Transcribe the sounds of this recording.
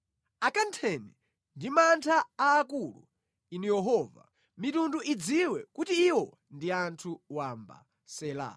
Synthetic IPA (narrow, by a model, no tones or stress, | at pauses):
akantʰɛnɛ | ndimantʰaaːkulṵ | inujɛɦɔːva̰ | mitunduʔid͡ziwɛkutiːwɔ | ndiantʰuwamba̰ | sɛːla̰